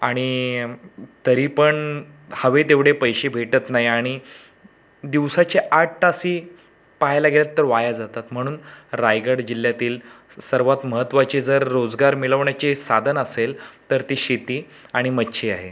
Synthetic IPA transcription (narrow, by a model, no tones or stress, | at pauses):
aɽ̃i | t̪əɾiːpəɳ | həʋet̪eʋɽ̤epəjɕebʱeʈət̪naɦiaɽ̃i | d̪iʋsat͡ɕeʔaʈ̚ːasiː | paɦjlaɡʱeljat̪ːəɾʋajad͡zat̪at̪m̤əɽ̃uːnɾajɡəɽd͡ʑilːjat̪iːl | səɾʋat̪məɦət̪ːʋat͡ɕed͡zəɾːod͡zɡaɾmiləʋɳjat͡ɕesad̪ʱənəselt̪əɾt̪iɕit̪iː | aɽ̃imətːɕʰiːaɦe